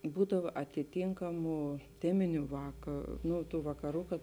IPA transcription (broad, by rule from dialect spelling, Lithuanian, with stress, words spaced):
ˈbuːdɐʋɐ ɐtʲɪˈtʲɪŋkɐmʊ ˈtʲæːmʲɪnʲʊ ˈʋɑːkɐ ˈnʊ tuː ʋɐkɐˈruː kɐt